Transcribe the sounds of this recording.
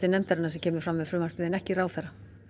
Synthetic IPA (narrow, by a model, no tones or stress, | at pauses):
t̪ɪnɛmt̪aɾɪnasɛmcʰɛːmʏɾ̥fɾamvɛðfɾʏmar̥pɪðɪnɛhcɪraːwθaɾa